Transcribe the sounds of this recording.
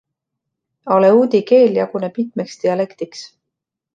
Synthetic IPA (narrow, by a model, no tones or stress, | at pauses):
o̞leuːd̪ike̞ːljɑɡunepit̪̚ˑmekst̪iɑle̞kt̪iks